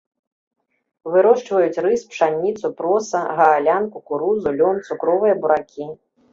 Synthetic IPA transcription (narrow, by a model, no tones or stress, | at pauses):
vɨɾɔʂt͡ʂvɐjut͡sʲrɨspʂanʲːit̪supɾɔsɐɣɐːlʲankukuɾuzulʲɔnt̪sukɾɔvɨjɐbuɾakʲʰi